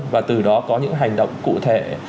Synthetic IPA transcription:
vaː˨˩t̪ɨ˨˩ɗɔ˨˦kɔ˨˦ɲɨ̰˧˥ŋɦa˨˩jŋ̟ɗə̰˧˨wŋ͡mkṵ˧˨t̪ʰe˧˩

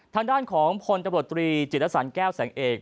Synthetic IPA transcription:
t̪ʰaː˧ŋdaː˥˩nkʰɔː˩˦ŋpʰo˧nt̪t͡ɕ̪a˧mɾu˨˩ə˩t̪ːɾiː˧t͡ɕi˨˩t̪̚ʰːa˥sa˩˦nkɛː˥˩wsɛː˩˦ŋʔeː˨˩k̚

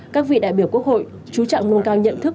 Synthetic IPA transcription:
kaː˦˥k̚vḭ˧˨ɗa̰ː˧˨jɓi˧˩əwku˦˥ək̚ho̰˧˨j | t͡ɕu˨˦t͡ɕa̰ː˧˨ŋlu˧nkaː˧wɲə̰˧˨nt̪ʰɨ˦˥k

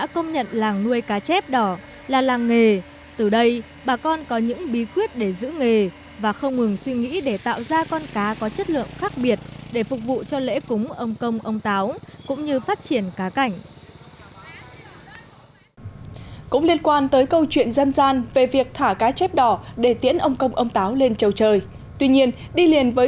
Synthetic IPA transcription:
ɗa̰ː˧˥kə˧wŋ͡mɲə̰˧˨nlaː˨˩ŋnu˧əjkaː˨˦t͡ɕɛ˦˥p̚ɗɔ˧˩ | laː˨˩laː˨˩ŋŋe˨˩ | t̪ɨ˨˩ɗə˧j | ɓaː˨˩kɔ˧nkɔ˨˦ɲɨ̰˧˥ŋɓi˨˦kwi˦˥ət̚ɗe˧˩zɨ̰˧˥ŋe˨˩ | vaː˨˩xə˧wŋ͡mŋɨ˨˩ŋswi˧ŋḭ˧˥ɗe˧˩t̪a̰ː˧˨wzaː˧kɔ˧nkaː˨˦kɔ˨˦t͡ɕə˦˥t̚lɨ̰˧˨əŋxaː˦˥k̚ɓi˨˩ət̚ɗe˧˩fʊ˨˩k̚vṵ˧˨t͡ɕɔ˧lḛ˧˥kʊ˨˦ŋ͡mʔə˧wŋ͡mkə˧wŋ͡mʔə˧wŋ͡mt̪aː˨˦wkʊ̰˧˥ŋ͡mɲɨ˧faː˦˥t̚t͡ɕi˧˩ənkaː˨˦ka˧˩jŋ̟ | kʊ̰˧˥ŋ͡mli˧ənkwaː˧nt̪əː˨˦jkə˧wt͡ɕwḭ˧˨ənzə˧nzaː˧nve˨˩vi˨˩ək̚t̪ʰaː˧˩kaː˨˦t͡ɕɛ˦˥p̚ɗɔ˧˩ɗe˧˩t̪i˨˧˥ənʔə˧wŋ͡mkə˧wŋ͡mʔə˧wŋ͡mt̪aː˨˦wle˧nt͡ɕə˨˩wt͡ɕəː˨˩j | t̪wi˧ɲi˧ən | ɗi˧li˨˩ənvəː˨˦

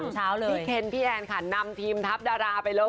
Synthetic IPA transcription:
t͡ɕʰaː˦˥wlɤːiː˥˧˩kʰe˧nt̪ʰiː˥˩ʔɛː˧nkʰa˥˩na˧mt̪ʰiː˧mt̪ʰa˦˥p̚daː˧ɾaː˧pa˧jloː˥˩

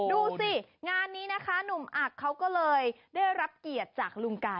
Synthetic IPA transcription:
duː˧ssi˨˩ŋaː˧nːiː˦˥na˦˥kʰa˦˥nu˨˩mʔaː˨˩kʰːa˦˥wkɔː˥˩lɤː˧j | daː˥˩jɾa˦˥p̚ki˨˩ət̪̚t͡ɕaː˨˩k̚lu˧ŋkaː˧

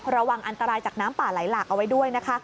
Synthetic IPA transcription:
ɾa˧waː˨˩ŋʔa˧nt̪a˧ɾaː˧jt͡ɕaː˨˩k̚naː˦˥mpaː˨˩la˩˦jlaː˨˩k̚ʔa˧wa˦˥jdu˥˩əjna˦˥kʰa˦˥

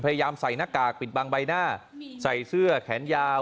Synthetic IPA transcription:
pʰa˧ja˧jaː˧msa˨˩jna˦˥˩kːaː˨˩k̚pi˨˩t̪̚baː˧ŋba˧jnaː˥˩sa˨˩jsɯ˥˩ɐkʰɛː˩˦njaː˧

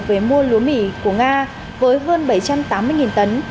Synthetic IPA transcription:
ve˧˩mu˧əlu˨˦mḭ˧˩ku˧˩əŋaː˧ | vəː˨˦jɦəː˧nɓə˧˩jt͡ɕa˧mt̪aː˨˦mːɨ˧əjŋi˨˩nt̪ə˨˦n

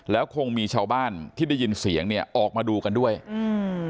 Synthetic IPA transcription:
lɛː˦˥wkʰo˧ŋmiː˧t͡ɕʰaː˧wbaː˥˩nt̪ʰiː˥˩da˥˩ji˧nsi˨˩˦əŋni˥˩ɐʔɔː˨˩k̚maː˧duː˧ka˧ndu˥˩əj

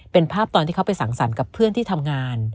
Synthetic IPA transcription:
pe˧npʰaː˥˩p̚t̪ɔː˧nt̪ʰiː˥˩kʰpa˧jsa˩˦ŋsa̰˩˦nka˨˩pʰːɯ˥˩ənt̪ʰiː˥˩t̪ʰa˧mŋaː˧n

